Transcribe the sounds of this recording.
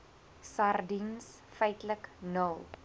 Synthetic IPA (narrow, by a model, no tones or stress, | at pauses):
sardins | fɛjtləknəl